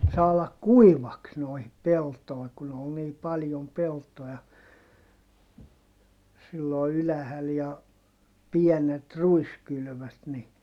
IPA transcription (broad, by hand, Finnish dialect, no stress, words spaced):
sɑːlɑk kuiʋɑks noihip peltoi̯ kun ol niː pɑljom peltojɑ silːo ylæhæl jɑ piɛnet ruiskyly̆ʋøt ni